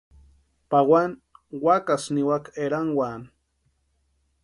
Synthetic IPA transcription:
pawanwakasniwakeɾaŋwan

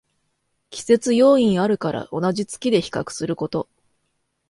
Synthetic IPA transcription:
kʲi̥se̞t͡sɨjo̞ːĩɰaɾɯ̟kaɾa̰ʔo̞naʑit͡sɨ̥kʲid̪e̞çi̥kakɯ̟̥sɨɾɯ̟ko̞t̪o̞

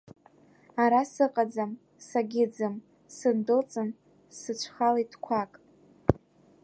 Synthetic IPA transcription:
aɾasɨqʼad͡zam | saɡʲɪd͡zɨm | sɨndɨlt͡sʼɨn | sɨt͡ʃʷʰχalaitʰkʷʰakʼ

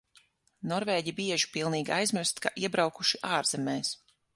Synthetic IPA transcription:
nɔɾveːɟibiɛʒi̥pilˠniːɡʲiajzmiɾst̪ka̰ʔiɛbɾawkuʃiʔaːɾzɛmɛːs

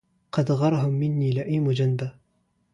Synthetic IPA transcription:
qɑd̪ɣɑɾˤɑɦʊmːɪnːiːlɪʔijmʊd͡ʒanba

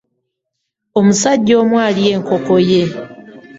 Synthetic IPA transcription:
o̞musaɟːo̞ːmwaːlie̞ːŋko̞ko̞je̞

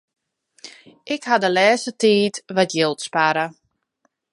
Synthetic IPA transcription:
ʔɪkhadəlɛːsətiːtʋatjɪlˠtspaɾə

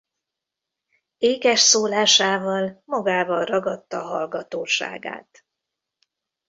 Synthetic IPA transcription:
eːɡɛʃsoːlaːʃaːvɒlmɒɡaːvɒnrɒɡɒt̪ːɒːɦɒlɡɒt̪oːʃa̰ːɡa̰ːt̪

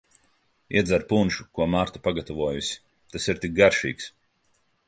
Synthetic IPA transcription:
iɛd̪zaɾpunʃukuɔmaɾt̪upaɡat̪ɔvuɔjusʲi̥ | t̪asiɾt̪ik̚ɡaɾʃḭːks

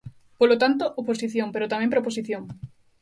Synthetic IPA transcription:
polot̪ant̪oʔoposiθjompeɾot̪amẽmpɾoposiθjoŋ

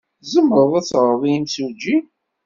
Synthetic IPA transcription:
zəmːəɾˤðˤæθɾðˤiimsud͡ʒi

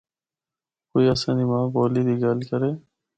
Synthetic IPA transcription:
koːiɐsaːnimãːboːliːd̪iːɡaːlkəɾeː

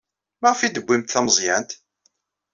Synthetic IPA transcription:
mæʁfid̪əbʷːimt̪θæməzˤjænt̪

